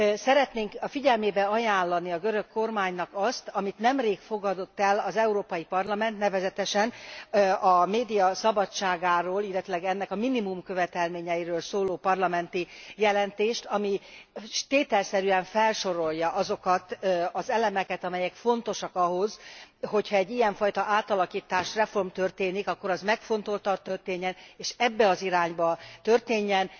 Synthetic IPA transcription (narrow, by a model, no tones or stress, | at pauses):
sɛɾɛt̪neːŋkɒfiɟɛlmeːbɛɒjaːlːɒniɒɡøɾø̞kːo̞rmaːɲnɒkɒst̪ɒmit̪nɛmreːkfo̞ɡɒd̪o̞t̪ːɛlɒzɛuɾoːpɒjipɒrlɒmɛnt̪nɛvɛzɛt̪ɛʃɛn | ɒmeːd̪ijɒsɒbɒt͡ʃːaːɡaːɾoːlilɛt̪ylɛɡɛnːɛkɒminimumkøvɛt̪ɛlmeːɲɛjiɾøːlsoːloːpɒrlɒmɛnt̪ijɛlɛnt̪eːʃt̪ɒmiʃt̪eːt̪ɛlsɛɾyɛɱfɛlʃo̞ɾo̞ljɒʔɒzo̞kɒt̪ɒzɛlɛmɛkɛt̪ɒmɛjɛkfo̞nt̪o̞ʃɒkɒɦo̞zɦo̞chɒɛɟːijɛɱfɒjt̪ɒʔaːt̪ɒlɒkiːt̪aːʃrɛfo̞rmt̪ørt̪eːnikɒkːo̞ɾɒzmɛkfo̞nt̪o̞lt̪ɒt̪ːørt̪eːɲːɛneːʃɛbːɛɒziɾaːɲbɒt̪ørt̪eːɲːɛn